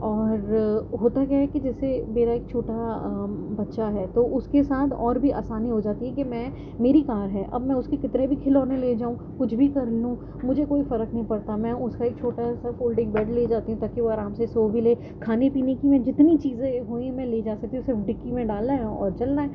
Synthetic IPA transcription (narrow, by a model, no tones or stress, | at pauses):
ɔːɾɦoːt̪ak̬jaːɦɛkid͡ʒɛːsemeːɾaeːk̚t͡ʃʰoːʈa | bɐtːʃaɦɛːt̪oʔʊskesaːt̪ʰɔ̰ːɾbʱiʔa̰ːsaːniɦod͡ʒaːt̪iɦɛkimɛ̃ː | meːɾikaːɾɦɛːʔɐ̰bmɛ̃ʊskekɪt̪nebʱikʰɪloːnẽleːd͡ʒaːũ | kʊt͡ʃʰbʱikɐɾlũː | mʊd͡ʒʱekoːifɐɾəknɐɦĩpɐɽt̪amɛ̃ʊskaeːk̚t͡ʃʰoːʈasɐfoːlɖɪ̃ŋbɛːɖleːd͡ʒaːt̪iɦũt̪aːkiʋoɐɾaːmsesoːbʱileː | kʰaːnepiːnekimɛ̃d͡ʒɪt̪nit͡ʃiːzẽɦoːĩɦɛ̃mɛ̃leːd͡ʒaːsɐk̚t̪iɦũʊ̃sɪɾfɖɪkːimẽɖaːlnaɦɛũɔːɾt͡ʃɐlnaɦɛː